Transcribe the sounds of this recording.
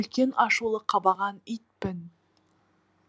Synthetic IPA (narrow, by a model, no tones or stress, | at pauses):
ɵlkʲe̞nɑʃulˠəqʰɑbɑʁɑnijt̪̚pɪn